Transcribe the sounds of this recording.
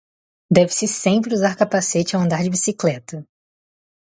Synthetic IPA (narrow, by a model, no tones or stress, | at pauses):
d̪ɛvɪsɪsẽpɾɪuzaɾkapaset͡ʃɪawɐ̃nd̪aɾd͡ʒɪbisiklɛt̪ɐ